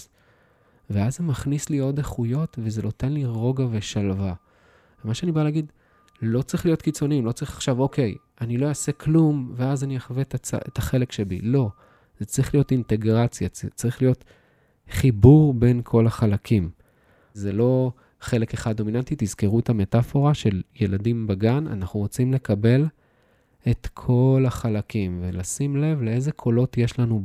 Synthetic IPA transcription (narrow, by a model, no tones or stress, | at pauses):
veazemaχnislio̞deχujo̞tvezeno̞te̞nliʁo̞ɡaveʃalva | vemaʃeanibaleaːɡid̪ | lo̞t͡saʁiχlijo̞tkit͡soniimlo̞t͡saʁiχḁχʃavo̞kʰe̞j | anilo̞jase̞kʰlumveazaniaχvetat͡sa̰etaχe̞lekʃebḭlo̞ | zet͡saʁiχlijo̞tinte̞ɡʁat͡sjat͡saʁiχlijo̞t̪ | χibuʁbe̞nkʰo̞laχalakʰim | zelo̞ | χe̞le̞keχad̚do̞minant̪it̪izkeʁuethame̞tafo̞ʁaʃe̞lje̞ladimbaɡana̰naχnuʁo̞t͡simle̞kabe̞l | e̞tkʰo̞laχalakimvelasimle̞vlee̞zekʰo̞lo̞tje̞ʃlanu